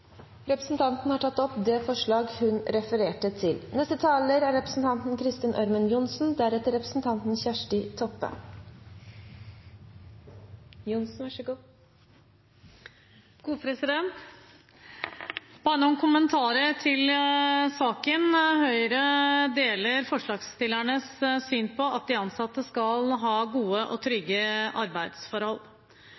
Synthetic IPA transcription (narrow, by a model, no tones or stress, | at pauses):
ɾɛpɾəsn̩t̪ʰɑnt̪n̩hɑʈʰɑt̪ːɔpd̪ɛfɔʂɭɑːɡhʉnɾɛfəɾeːʈət̪ʰɪlnɛst̪ət̪ʰɑːləɾæɾɛpɾə̥sn̩t̪ʰɑnt̪nkʰɾɪst̪ɪnʔœ̰ɾmənjʊnsn̩d̪æɾɛt̪əɾɛpɾə̥sn̩t̪ʰɑnt̪n̩sçæʂʈɪt̪ʰɔpːə̰ | jʊnsn̩ɑɡ | kʰuːpʰɾɛsɪd̪ɛnt̪ | b̥ɑnɔnkʰʊmənt̪ʰɑːɾət̪ʰɪlsɑːkənhœʏɾəd̪eːləɾfɔʂɭɑːɡst̪ɪlːæɳəssyːnpʰɔɑt̪̚d̪ɪɑnsɑt̪ːəskɑlɦɑːɡuːəʔɔt̪ʰɾʏɡːəʔɑɾbæɪd̪sfɔɾhɔlː